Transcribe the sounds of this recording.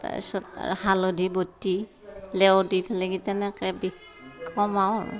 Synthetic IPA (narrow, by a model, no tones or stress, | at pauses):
a̰sɔthalodʱibotːi | lɛɔdipʰɛlɛɡitɛnɛkɛbikʰː | ɔmaɹ̰